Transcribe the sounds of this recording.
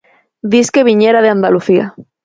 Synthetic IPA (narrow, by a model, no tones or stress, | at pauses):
d̪iskeβ̞iɲeɾaðeand̪aluθia̰